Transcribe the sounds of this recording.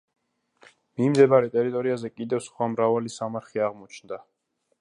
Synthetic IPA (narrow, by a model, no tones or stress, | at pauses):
mimd̪ɛbaɾɛt̪ʼɛɾit̪ʼɔɾiazɛkʼid̪ɛfsχwamɾavalisamaɾχiaʁmɔt͡ʃʰnd̪a